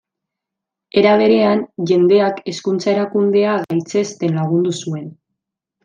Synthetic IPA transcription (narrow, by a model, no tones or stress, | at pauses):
e̞ɾaβ̞e̞ɾe̞anʝe̞nd̪e̞ake̞skunt͡sae̞ɾakund̪e̞aɣajt͡se̞st̪e̞nlaɣ̞und̪usue̞n